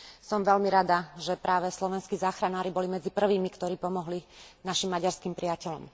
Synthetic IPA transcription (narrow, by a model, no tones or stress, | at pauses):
sɔmʋɛlmiɾad̪aʒɛpɾaːʋɛslɔʋɛnskiːzaːxɾanaːɾibɔlimɛd͡zipr̩ʋiːmikt̪ɔɾiːpɔmɔɦlinaʃimːaɟaɾskiːmpɾiacɛlɔ̰m